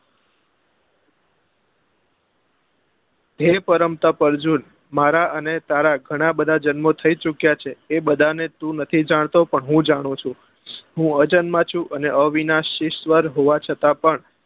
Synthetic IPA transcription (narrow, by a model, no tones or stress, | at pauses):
d̪ʱepəɾəmt̪əpəɾd͡ʒun | maɾaənet̪aɾaɡʱəɽ̃abəd̪ʱad͡ʒənmot̪ʰəit͡ʃukjat͡ʃʰeːbəd̪ʱanet̪ũnət̪ʰid͡ʒaɳ̃t̪opəɳɦũd͡ʒaɽ̃ũt͡ʃʰũ | ɦũəd͡ʒənmãt͡ʃʰũʔəneʔəʋinaʃɪʃʋəɾɦoʋat͡ʃʰət̪apəɳ